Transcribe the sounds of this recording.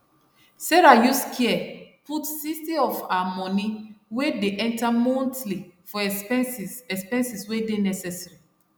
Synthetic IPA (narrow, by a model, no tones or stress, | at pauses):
sɛɹajuskʰiɛputsistiɔfaamɔ̃niwedeʔɛ̃ntamɔ̃ntlifɔɛsɛspɛ̃nsiswedenɛsɛsaɹi